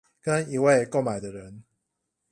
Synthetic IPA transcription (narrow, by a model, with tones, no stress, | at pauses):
kə˦ni˨˩we˥˧ɪko˥˩ʊma˨˩ɪd̪ə˨ɻə˨˦n